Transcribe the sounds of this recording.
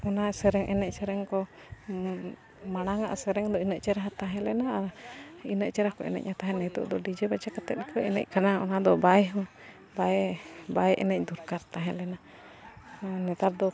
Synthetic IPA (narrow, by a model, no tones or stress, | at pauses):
ɔnasɛɾɛŋʔɛnɛc̚sɛɾɛŋkɔ | maɽ̃aŋaʔasɛɾɛŋd̪ɔinəʔt͡ʃɛɾaɦat̪aɦɛ̃lɛnaaɾinəʔt͡ʃɛɾahkɔʔɛ̰nɛ̰c̚ɲat̪aɦɛ̃nɛt̪ṵʔd̪ɔɖid͡ʒɛbad͡ʒakat̪ɛt̪̚ɾikʰɔɛnɛ̰c̚kanaɔ̰nad̪ɔbajɦu | babajʔɛnɛc̚d̪uɾkaɾt̪aɦɛ̃lɛna | nɛt̪aɾd̪ɔ